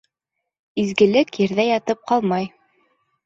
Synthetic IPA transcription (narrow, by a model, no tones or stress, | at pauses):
izɡɘ̆lɘkjɘ̆ɾðæjɑt̪ɤp̚qɑlˠmɑj